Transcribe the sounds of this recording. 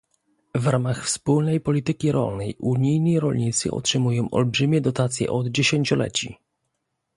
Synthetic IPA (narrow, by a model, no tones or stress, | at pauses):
vɾamaxfspulnɛjpɔlʲit̪ɘkʲiɾɔ̰lnɛjʔuɲijɲiɾɔlɲit̪sɘ̰ɔ̰tʂɘmujɔ̃w̃ʔɔ̰lbʐɘmʲjɛd̪ɔt̪at̪sʲjɛ̰ʔɔd̪d͡ʑeɕeɲt͡ɕɔlɛ̰t͡ɕi